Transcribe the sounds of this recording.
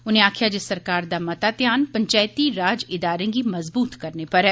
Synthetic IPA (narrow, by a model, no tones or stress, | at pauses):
ʊnɦẽaːkʰijad͡ʒɪsːɐɾkaːɾd̪amɐt̪at̪jaːnpɐ̃ɲt͡ʃaːjt̪iɾaːd͡ʒɪd̪aːɾẽɡimɐzbuːt̪kɐɾnepɐɾɦɛː